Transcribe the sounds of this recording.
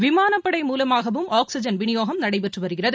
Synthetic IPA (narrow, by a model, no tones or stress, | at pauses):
ʋɪmaːnɐpːɐɽɐɪmuːlɐmaːɣɐʋɯmaːksɪd͡ʒɐnʋɪnɪjoːɣɐmnɐɽɐɪpɛʈrɯʋɐɾɯɣɪrɐð